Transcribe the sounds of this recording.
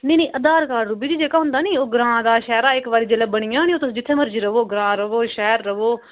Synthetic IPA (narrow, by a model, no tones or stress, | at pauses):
nẽːnĩːʔəd̪aːɾkaːɾɾʊbiːd͡ʒ̪iːd͡ʒeːkaːɦʊ̃nd̪aːniːoːɡɾãːãːd̪aːʃɛːɾaːɪkʋaːɾiːd͡ʒeːleːbəɽ̃ɪjãːnĩːoːt̪ʊsd͡ʒɪt̪ʰːeːməɾd͡ʒiːɾəʋoːɡɾãːɾəʋoːʃɛːɾːəʋoː